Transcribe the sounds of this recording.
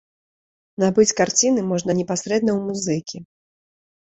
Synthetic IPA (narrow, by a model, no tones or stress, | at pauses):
nabɨt͡sʲkart͡sʲinɨmɔʐnɐnʲɛpasɾɛd̪̚nɐwmuzɨkʲi